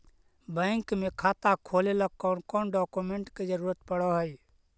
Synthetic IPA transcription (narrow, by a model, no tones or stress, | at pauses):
bəŋkmekʰaːt̪akʰoleləkːɔnkɔnɖɔkumeɳʈked͡ʒəɾuːɾət̪pəɽəɦəj